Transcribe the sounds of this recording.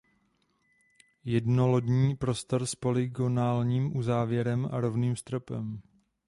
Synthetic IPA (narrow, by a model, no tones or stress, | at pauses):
jɛdnolo̞dɲiːpɾo̞st̪o̞ɾspo̞lɪɡonaːlɲiːmʔuzaːvjɛɾɛma̰ɾovniːmst̪ɾopɛ̰m